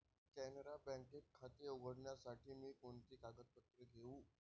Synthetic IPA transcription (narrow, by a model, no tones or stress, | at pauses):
kɛneɾabɛ̃ŋkeʈ̚kʰːat̪eːuɡəɽɳjasaʈʰiːmiːkoɳt̪iːkaɡət̪̚pət̪ɾəɡʱeuː